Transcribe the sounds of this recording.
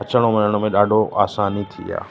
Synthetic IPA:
ət͡ʃəɽ̃omɪnəɽ̃omẽɗaːɖʱoʔaːsaːnit̪ʰḭa̰ː

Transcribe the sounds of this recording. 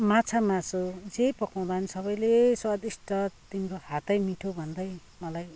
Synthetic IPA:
mãt͡sʰamãsod͡zejpʌkaw̃d̪aʌnisʌβʌjleswad̪isʈʌt̪inkohat̪ʌjmiʈʰobʱʌnd̪ʌj | mʌlaj

